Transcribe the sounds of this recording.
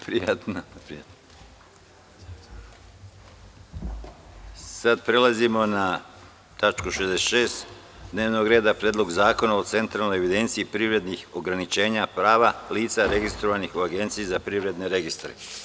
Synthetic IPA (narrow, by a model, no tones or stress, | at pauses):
pɾijat̪napɾijat̪no | sad̪pɾe̞lazimo̞na | t̪at͡ʃkuʃezd̪ese̥t̪ʃe̞ːst̪ | d̪ne̞ːʋno̞ɡɾe̞ːd̪apɾeːd̪lˠo̞ɡzaːko̞nao̞t̪se̞nt̪ɾalno̞jeʋid̪e̞nt̪siipɾiːʋɾe̞d̪nixo̞ɡɾanit͡ʃe̞ːɲapɾaːʋaliːt̪saɾe̞ɡist̪ɾo̞ʋanixuaɡe̞nt̪sijizapɾiʋɾe̞d̪ne̞ɾe̞ɡist̪ɾḛ